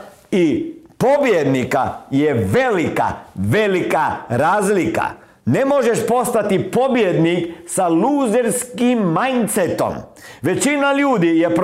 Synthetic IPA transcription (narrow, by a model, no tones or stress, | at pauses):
ipo̞bjed̪nika̰jeʋe̞lika̰ʋe̞likaɾaːzlika̰ | nemo̞ʒeʃpo̞st̪at̪ipo̞bjed̪niksaluːzeɾskimːajnt̪set̪o̞̰m | ʋe̞t͡ɕinaʎuːd̪ijep